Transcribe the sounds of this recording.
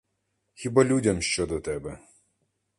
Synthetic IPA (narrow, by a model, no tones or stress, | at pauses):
xʲibalʲudʲɐmʃt͡ʃɔd̪ɔt̪ɛbɛ